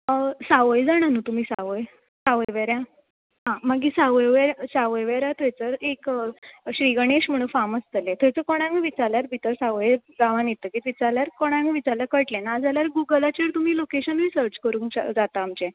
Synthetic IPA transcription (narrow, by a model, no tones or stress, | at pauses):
saʋəjd͡zaɽ̃anuːt̪um̤iːsaʋəj | saʋəjʋeɾja | ɦãmaɡiːsaʋəjʋeɾjasaʋəjʋeɾjat̪ʰojt͡səɾekɕɾiɡəɳeɕm̤əɽ̃ũfaməst̪əlẽt̪ʰojt͡səkoɽ̃ãmiʋit͡saɾljaɾbʱit̪əɾsaʋəjɡaʋãnjet̪əkiːt̪ʋit͡saljaɾkoɽ̃ãmiʋit͡saɾljakəʈlẽnad͡zaljaɾɡuɡəlat͡ɕeɾt̪um̤iːlokeɕənɾisəɾt͡ɕkəɾũːŋkd͡zat̪aːmt͡ɕe